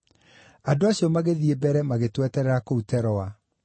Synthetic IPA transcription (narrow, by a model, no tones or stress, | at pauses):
adoaɕjɔmaɣeðiebɛɾɛmaɣetwɛtɛɾɛɾakoutɛɾɔwa